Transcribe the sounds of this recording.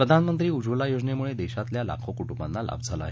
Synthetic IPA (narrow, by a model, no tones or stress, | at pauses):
pɾəd̪ʱanmənt̪ɾiːud͡zʋəlajod͡znemuɭed̪ɛɕat̪ljala̰kʰokuʈumbanːalʔa̰bd͡zʱala̰a̰ɦe